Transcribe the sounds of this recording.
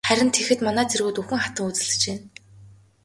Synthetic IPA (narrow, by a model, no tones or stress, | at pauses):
χæɾʲɪ̆nt̪ʰexɘ̆t̪manæːt͡sʰerɣuːt̪uxɘ̆ŋχḁt̪ə̆ŋut͡sɘ̆ɮɘ̥̆t͡ɕeːn